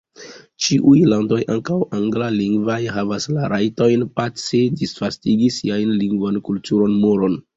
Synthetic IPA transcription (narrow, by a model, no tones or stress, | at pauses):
t͡ʃiʔujlando̞jʔaŋkawaŋɡlaliŋɡvajɦavaslaɾajto̞jnpat͡sedisfastiɡisiajnliŋɡvankultuɾo̞nmoɾo̞n